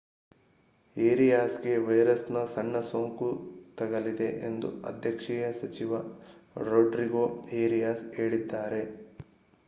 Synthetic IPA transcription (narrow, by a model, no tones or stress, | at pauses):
eːɾijaːsɡe̞ʋɐjɾɐsnɐsɐɳːɐsoːŋkut̪ɐɡɐlid̪e̞ʔḛnd̪ṵɐ̰d̪ʱjɐkʂɛjɐsɐt͡ʃiʋɐ | ɾoːɖɾiɡoːeːɾijaːseːɽid̪ːaːɾe̞